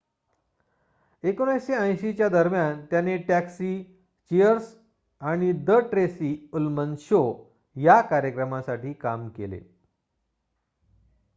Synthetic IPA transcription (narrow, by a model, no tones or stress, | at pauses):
ekonãjɕeə̃j̃ɕit͡ɕjad̪əɾmjant̪janeʈæksiː | t͡ɕiəɾs | aɽ̃id̪əʈɾesiːulmənɕo | jakaɾjəkɾəmasaʈiːkamkelḛ